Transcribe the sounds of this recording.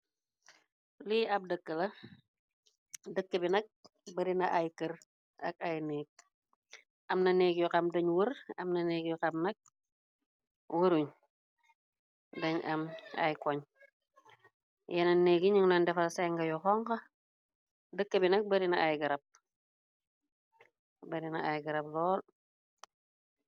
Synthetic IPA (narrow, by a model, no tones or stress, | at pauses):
liːɐp̚dəkːəlɐ | dəkːəbinɐk̚ | bɐɾinɐʔajkər | ɐ̰k̚ajneːk̚ | ʔɐmnɐneːkjɔqɐmdɐɲwərɐmnɐneːɡjɔqɐmnɐk̚ | wəɾuɲ | dɐɲʔɐma̰jkɔɲ | jɛnɐneːɡiɲiŋnɔndɛfɐlseŋɡɐjɔxɔŋkɐ | dəkːɐbinɐk̚bɐɾinɐʔajɡɐɾɐp̚ | bɐɾinɐajɡɐɾɐp̚lɔːl